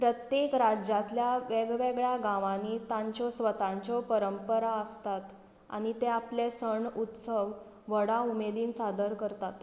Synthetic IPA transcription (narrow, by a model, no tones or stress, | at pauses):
pɾət̪jekɾad͡ʑat̪ljaʋeɡʋeɡɭjaɡãʋãniːt̪ãɲt͡ɕɔsʋət̪ãɲt͡ɕɔpəɾəmpəɾaəst̪at̪ | a̰ñit̪eaplesəɳut̪səʋː | əɽaumed̪iːnsad̪əɾkəɾt̪at̪